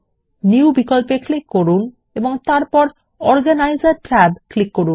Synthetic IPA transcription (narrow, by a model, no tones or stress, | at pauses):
niwbikolpeklikːoɾun | eboŋt̪aɾpɔɾ | ɔɾɡanajzaɾʈɾɛbklikːoɾun